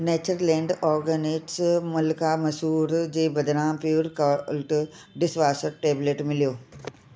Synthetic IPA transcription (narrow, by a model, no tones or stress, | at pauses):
neːt͡ɕəɾlẽːɳɖɔːɾɡənɪʈsmʊlkamɐsuːɾd͡ʑeːbɐd̪ɾãːmpjuːɾkɐlʈ | ɖɪsʋaːsəɾʈeːbleːʈmɪlijoː